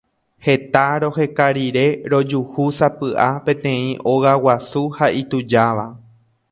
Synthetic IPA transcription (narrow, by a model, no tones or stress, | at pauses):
he̞t̪aɾo̞he̞kaɾiɾe̞ɾo̞d͡ʒuhusapɨʔapẽ̞t̪ẽ̞ĩʔo̞ɣawasuhaʔit̪ud͡ʒaʋa